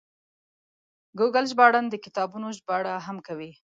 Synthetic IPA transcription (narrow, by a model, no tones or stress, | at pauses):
ɡuɡalʒbɑɽand̪əkɪ̥t̪ɑbunoʒbɑɽaɦamkawi